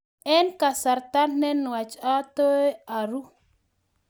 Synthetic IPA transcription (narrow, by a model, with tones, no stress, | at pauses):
ɛ˦nka˨sa˨ɾt̪a˦nːɛ˦nwa˨t͡ʃa˦t̪ɔ˦e˦a˨ɾu˦